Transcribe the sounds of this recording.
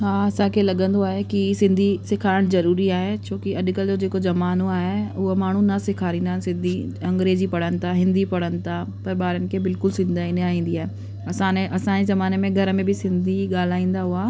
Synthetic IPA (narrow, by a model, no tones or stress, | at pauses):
ɦaːɐsãkʰelɐɠə̃nd̪oaːɦekisɪ̃nd̪ʱisɪkʰaːɪɽ̃zɐɾuːɾiaːɦet͡ɕʰoːkiɐɗkəld͡ʑoːd͡ʑeːkozɐmaːnoaːɦeʊɦomaːɳ̤ũnɐsɪkʰaːɾĩːnd̪asɪ̃nd̪ʱiɐ̃ŋɡɾeːd͡ʑipɐɽ̤ənɪ̆t̪ʰaɦɪ̃nd̪ipɐɽ̤ənɪ̆t̪ʰa | pɐɾɓaːɾənɪ̆kʰebɪlkʊlsɪ̃nd̪ʱaːineaːĩːn̆d̪iaːɦe | ɐsãːneʔɐsãezɐmaːnemẽɡʱɐɾəmẽbʱɪsɪ̃nd̪ʱiɠaːl̤aːĩːn̆d̪aɦuaː